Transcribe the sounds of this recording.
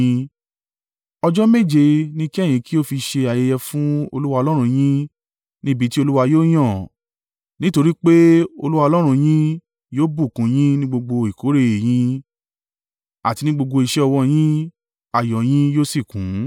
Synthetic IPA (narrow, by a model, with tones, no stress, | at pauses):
ɔ˧d͡ʒɔ˦me˦˨d͡ʒe˧nĩ˦ki˦ɛ˦˨j̃ĩ˨˧˦ki˦o˦fi˧ʃe˧a˨je˧jɛ˧fũ˦o˧lu˦wa˧ɔ˧lɔ˦ɾ̃ũ˧j̃ĩ˦ | nĩ˦bi˨˧ti˦o˧lu˦wa˧joː˦j̃ɔ̃˦˨ | nĩ˦to˧ɾi˦k͡pe˦o̰˧lu˦wa˧ɔ˧lɔ˦ɾ̃ũ˧j̃ĩ˦ | joː˦bu˦˨kũ˨˦j̃ĩ˦nĩ˦ɡ͡bo˧ɡ͡bo˧i˨ko˨˦ɾe˦˧e˨j̃ĩ˧˦ | a˨ti˧nĩ˦ɡ͡bo˧ɡ͡bo˧i˨ʃɛ˦ɔ˧wɔ˧j̃ĩ˦ | a˨jɔ˨j̃ĩ˦joː˦si˦˨kũ˨˦